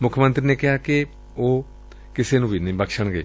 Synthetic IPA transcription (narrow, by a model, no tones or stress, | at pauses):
mʊkʰːəmə̃nt̪ɾiːneːkɪɦaːkɪ | oː | kɪseːnũːbiːnəĩːbəkʃəɳɡeː